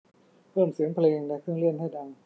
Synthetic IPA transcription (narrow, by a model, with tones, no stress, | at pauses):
pʰɤː˥˩msɯ˩˦əŋpʰleː˧ŋlɛ˦˥kʰɯ˥˩ŋlɯ˥˩ənha˥˩jda˧ŋ